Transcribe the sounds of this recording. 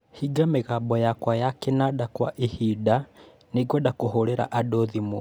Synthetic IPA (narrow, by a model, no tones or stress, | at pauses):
hiɡameɣabɔjakwajakɛnadakwa̰ʔehida | neɡwɔdakoɦoɾeɾa̰ʔadoðimo̰